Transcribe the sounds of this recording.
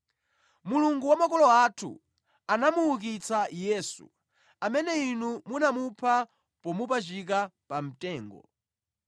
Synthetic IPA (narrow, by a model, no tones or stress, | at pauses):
muluŋɡuwamakɔlɔatʰṵ | anamuuk̬it͡sajɛsṵ | amɛnɛinumunamupʰa | pɔmupat͡ʃik̬apam̩tɛːŋɡɔ̰